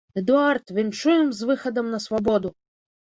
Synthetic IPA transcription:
ɛd̪uart̪vʲint͡ʂujɛmzvɨxɐd̪ɐmnɐsvabɔd̪u

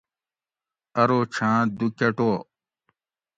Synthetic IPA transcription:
ɐɾoːt͡ɕʰãːd̪ukɐʈoː

